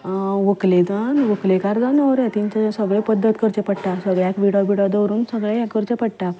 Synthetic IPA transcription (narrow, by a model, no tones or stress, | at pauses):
ʋəkled̪anʋəklekaɾd͡z̪anəɾat̪iɲt͡ɕsəɡɭepəd̪ːət̪kəɾt͡ɕepəɽʈasəɡɭakʋiɽabiɽad̪əwɾuːnsəɡɭeãkəɾt͡ɕepəɽʈa